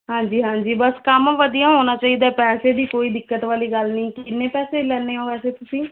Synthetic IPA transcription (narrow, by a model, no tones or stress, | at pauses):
ɦãːɲd͡ʒiːɦãːɲd͡ʒiːbəskəmʋəd̪ijãɦoːnaːt͡ʃaːiːd̪apɛːseːd̪iːkoːiːd̪ɪkːət̪ʋaːliːɡəlnəɦĩːkɪnːẽːpɛːselɛːneːõːɛːseːt̪ʊsĩː